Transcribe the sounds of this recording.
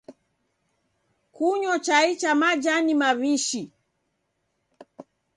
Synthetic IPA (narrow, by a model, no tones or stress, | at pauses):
kuɲɔt͡ʃait͡ʃamad͡ʒanimaβiʃi